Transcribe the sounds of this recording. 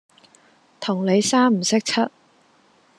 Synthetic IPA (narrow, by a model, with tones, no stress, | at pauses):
t̪ʰʊ˨˩ŋle˨˧jsaː˥m̩˨˩sɪ˥k̚t͡sʰɐ˥t̚